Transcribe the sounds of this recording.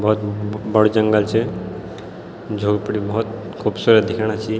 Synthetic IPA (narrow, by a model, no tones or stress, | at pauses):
bɔɦut̪bəɽd͡ʒəŋɡəlt͡ʃʰɛ | d͡ʒʱoːɡpəɽibɔɦut̪ | kʰuːbsuɾd̪ikʰaɽ̃at͡ʃʰi